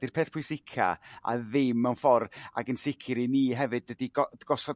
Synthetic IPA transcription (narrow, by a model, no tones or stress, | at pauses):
d̥irpʰeːθpʰʊjsɪkʰa̰a̰ðɪmːawnfɔra̰ɡənsɪkʰɪɾiniːɦɛvɨdːədiɡɔɡ̥ɔsɔ